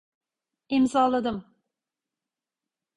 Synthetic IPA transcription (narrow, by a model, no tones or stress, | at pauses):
imzɑːlˠad̪ɯm